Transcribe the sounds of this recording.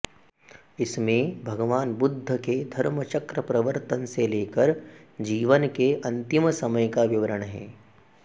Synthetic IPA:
ɪsmẽbʱɐɡʋaːnbʊd̪ʱːəked̪ʱɐɾmət͡ʃəkɾəpɾɐʋəɾt̪ənseleːkəɾd͡ʒiːʋənkeʔɐ̃nt̪ɪmsɐməjkaʋɪʋəɾəɽ̃ɦɛ̰ː

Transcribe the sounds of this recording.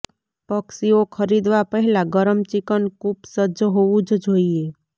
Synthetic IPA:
pəksiokʰəɾid̪ʋapəɦɛlaɡəɾəmt͡ʃikənkupsəd͡ʒɦoʋũd͡ʒd͡ʒoie

